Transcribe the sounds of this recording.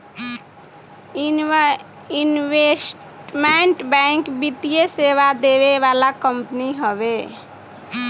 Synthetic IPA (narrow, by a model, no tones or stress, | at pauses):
inʋesʈʈmeɳʈbɛŋkbit̪ijeseʋad̪eʋeʋalakəmpniɦəbe